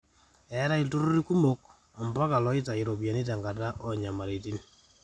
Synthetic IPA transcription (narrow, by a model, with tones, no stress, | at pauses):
ɛ˨˦ɾa˦i˨to˦ɾu˦ɾi˦ku˦mo˦k̚ | a˨mba˦ka˨lɔ˨˦ɪ˦ta˨i˨ɾo˨bja˨ni˦t̬a˨ŋɡa˨ta˦ʔɔ˨ɲa˨ma˨ɾi˨ti˦n